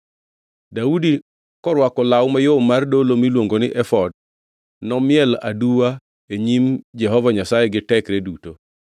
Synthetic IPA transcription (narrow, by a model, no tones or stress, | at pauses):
daudi | kɔɾwakɔlawʊmajomːardolomilwoŋɡonɪʔɛfɔd̚ | nɔmɪjɛla̰duwa | eɲimd͡ʒɛɦɔvaɲasajɛɡɪtɛkɾeduto